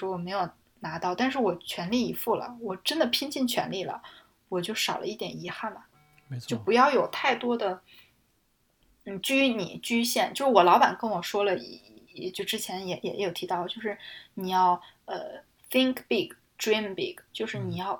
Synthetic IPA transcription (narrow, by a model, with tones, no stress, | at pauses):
wɔ˥wɔ˨˩me˧˥ɪjo˨˩ʊ | na˧˥t̪ɑ˥˧ʊt̪a˥˧nʂ̬ɻ̩˥˩wɔ˨˩t͡ɕʰɥɛ˧˥nli˥˩i˧˥fu˥˩lə̰˨˩wɔ˨˩ʈ͡ʂə˥nd̪ə˨pʰi˥ŋt͡ɕi˥˩ŋt͡ɕʰɥɛ̰˧˥nli˥˩lə̰˩ | wɔ˨˩t͡ɕjo˥˩ʊʂɑ˨˩ʊlʔə̰˦i˥˩t̪jɛ˨˩ni˧˥xa˥˩nlə˩ | t͡ɕo˥˩ʊpu˧˥jɑ˥˩ʊjo˨˩ʊt̪ʰa˥˩ɪt̪wɔ˥d̪ə˨ | n̩˥˩t͡ɕy˥y˧˥nḭ˨˩˦t͡ɕy˥ɕjɛ˥˩nt͡ɕjo˥˧ʊʂɻ̩˥˩wɔ˨˩lɑ˧˥ʊpa̰˨˩nkə˥nwɔ˨˩ʂwɔ˥lə˨˧˥t͡ɕjo˥˩ʊʈ͡ʂɻ̩˥t͡ɕʰjɛ˧˥njɛ˧˩jʔɛ̰˧˩jjo˨˩ʊt̪ʰi˧˥t̪ɑ˥˩ʊlə˩jo˥˧ʊʂɻ̩˥˩ni˨˩jɑ˥˩ʊ | ə̰˧ | θi˥ŋkpi˥˩k | ʈ͡ʂɹi˥mpi˥˩kt͡ɕjo˥˧ʊʂɻ̩˥˩ni˨˩jɑ˥˩˧ʊ